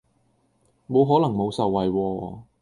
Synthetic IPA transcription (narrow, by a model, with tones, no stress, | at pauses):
mo˨˧wɦɔː˨˥lɐ˨˩ŋmo˨˧wsɐ˨wːɐ˨jwɔː˧